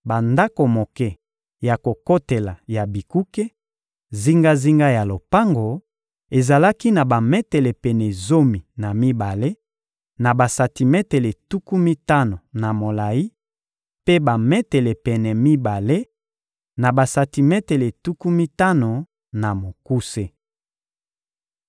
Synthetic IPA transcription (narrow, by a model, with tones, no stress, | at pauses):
ba˨nda˦ko˨mo˨kɛ˦ | ja˨ko˨ko˦te˨la˨ja˨bi˨ku˦ke˦ | zi˦ŋɡa˦zi˦ŋɡa˦ja˨lo˨pa˦ŋɡo˨ | e˨za˨la˦ki˦na˨ba˨mɛ˦te˨le˨pɛ˨nɛ˨zo˦mi˨na˨mi˦ba˨le˦ | na˨ba˨sa˨ti˨mɛ˦te˨le˨tu˦ku˦mi˦ta˦no˨na˨mo˨la˨i˦ | pe˦ba˨mɛ˦te˨le˨pɛ˨nɛ˨mi˦ba˨le˦ | na˨ba˨sa˨ti˨mɛ˦te˨le˨tu˦ku˦mi˦ta˦no˨ | na˨mo˨ku˦se˦